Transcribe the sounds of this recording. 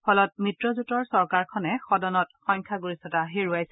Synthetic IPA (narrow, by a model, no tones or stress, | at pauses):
pʰɔlɔt̚mitɹɔzutɔɹsɔɹkaɹkʰɔnɛxɔdɔnɔtxɔɲkʰaɡuɹisɔtaɦeɹuajsɛ